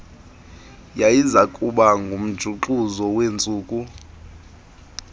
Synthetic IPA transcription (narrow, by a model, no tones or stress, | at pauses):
jajizakʼuɓaŋɡʱum̩d̥ʒ̥ʱuǃuzɔwent͡sʼuːkʼu